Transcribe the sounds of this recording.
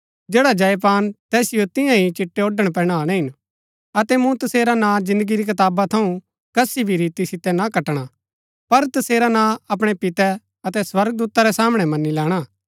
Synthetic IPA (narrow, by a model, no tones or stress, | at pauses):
d͡ʒeːɽad͡ʒɐjp̬aːnt̪ɛːsɪjot̪ɪ̃jãɦit͡ʃɪʈːeoːɖəɽ̃p̬ɛːɽ̃aːɽ̃ɛ̃ɦɪn | ɐt̪ɛmũt̪ɐseːɾanãd͡ʒɪ̃nd̪əɡiɾik̬ɐt̪aːbat̪ʰɐũ | kɐsibʱiɾiːt̪isɪt̪ɛnakɐʈɽ̃a | pɐɾt̪ɐseːɾanãɐpɽ̃ɛpɪt̪ɛ | ɐt̪ɛswɐɾɡ̚d̪uːt̪aɾɛsaːmɽ̃ɛmɐnːilɛːɽ̃a